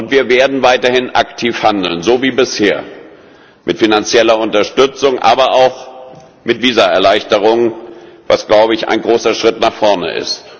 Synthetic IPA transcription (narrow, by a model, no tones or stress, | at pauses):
ʔʊntv̥iːɐveːɐdn̩vaɪtɐhɪnʔaktʰiːfhandl̩nzoːviːbɪsheːɐ | mʔɪtfinant͡sjɛlɐʊntɐʃtʏt͡sʊŋʔa̰ːbɐʔaʊx | mɪtv̥iːzaɛɐlaɪçtəʁ̞ʊŋva̰sɡ̥laʊbəɪça̰ɪnɡʁoːsɐʃʁ̥ɪtnaːχfɔɐnə̰ʔɪ̰st